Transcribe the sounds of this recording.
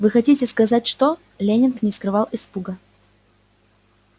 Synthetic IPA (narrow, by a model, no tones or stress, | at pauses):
vɨxɐtʲitʲɪskɐzatʲʂt̪o | lʲenʲɪnknʲɪskɾɨvɑlˠɪspuɡə